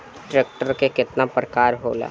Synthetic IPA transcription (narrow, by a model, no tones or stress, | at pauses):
ʈɾeːk̚ʈəɾkekɪt̪napɾəkaːɾɦo̰ːla̰ː